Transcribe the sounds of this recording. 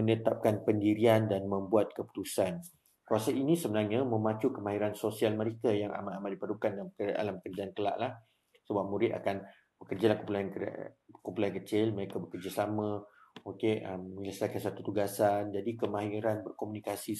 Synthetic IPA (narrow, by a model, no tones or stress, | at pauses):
mənət̪ap̚kanpəndiɾiandanmə̃mbuat̪̚kəpu̥t̪usan | kɾuasainĩsəbənaɲãmə̃mãt͡ʃukəmaɦiɾansosialmə̃ɾekajaŋa̰maamatdipəlukandalma̰laməkərd͡ʒaankəla̰ʔlah | səbap̚muɾɪt̪̚a̰kan | bəkərd͡ʒalahkupulan̰kumpulankət͡ʃɪlməɾekabəkərd͡ʒasamã | okeʔəməələsakansat̪ut̪uɡasand͡ʒadikəmaɦiɾanbərkomunikasi